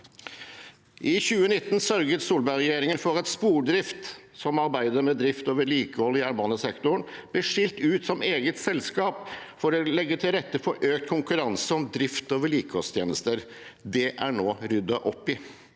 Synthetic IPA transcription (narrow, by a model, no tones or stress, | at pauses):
ʔɪçʉːənɪt̪ːnsœɾɡət̪suːlbæɾɛjeːɾɪŋənfɔɾɛt̪spuːɖɾɪft̪ | sɔmɑɾbæɪd̪əɾmɛd̪ɾɪft̪oːʋəɭiːkəhɔlːɪæːɾmɑnəsɛkt̪ʊɳb̥lɪʂɪlt̪ʉːt̪sɔmeːɡət̪sɛlskɑːpfɔɾɔlɛɡːət̪ʰɪlɾɛt̪ːəpʰɔʔøːkt̪̚kʰʊŋkʉɾɑnsəɔmd̪ɾɪft̪oːʋəɭiːkəhɔlst̪ʰjeːnəst̪əɾ | d̪ɛʔæɳoːɾʉd̪ɑʔɔpːɪ